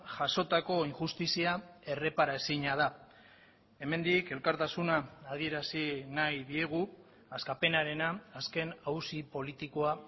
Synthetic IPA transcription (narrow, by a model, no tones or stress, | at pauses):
ʝaʃo̞t̪ako̞iŋʝust̪isiae̞re̞paɾasiɲað̞a | e̞me̞nd̪ike̞lkaɾt̪asunaːð̞ie̞ɾasinajðie̞ɣ̞u | askape̞naɾe̞naːske̞nawsipo̞lit̪ikoa